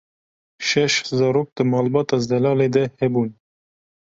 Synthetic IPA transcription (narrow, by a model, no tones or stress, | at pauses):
ʃɛʃhzɑɾok̚d̪̥əmɑːlbɑt̪ɑzd̪ɛlɑːled̪ɛhɛbuːn